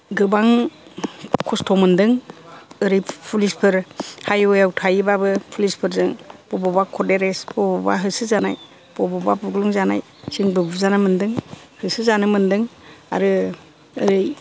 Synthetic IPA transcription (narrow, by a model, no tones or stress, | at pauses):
ɡɯbaŋ | kʰɔstʰɔmɯndɯŋɯɾɯjpʰulispʰɯɾhajɔjawtʰajɯbabɯpʰulispʰɯɾzɯŋb̥ɔbɔbakʰɔdeɾesbɔbɔba̰ɦɯsɯzanaj | b̥ɔbɔbabuɡluŋzana̰j | siŋbɯbɯzanɯmɯndɯŋ | hɯsɯzanɯmɯndɯŋa̰ɾɯ | ɯɾɯj